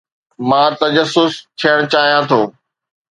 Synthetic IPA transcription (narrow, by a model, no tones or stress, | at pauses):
mãːt̪ɐd͡ʑəsːʊst̪ʰijəɽ̃t͡ɕaːɦijãt̪ʰoː